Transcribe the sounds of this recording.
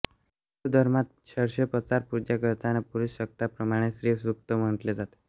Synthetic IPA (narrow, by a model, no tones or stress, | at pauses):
d̪ʱəɾmat̪̚t͡ɕʰəɾɕepət͡saɾpuɾd͡ʑakəɾt̪anapuɾusɕək̚t̪apɾəmaɽ̃esɾisɾuk̚t̪əm̤əɳt̪led͡zat̪e̥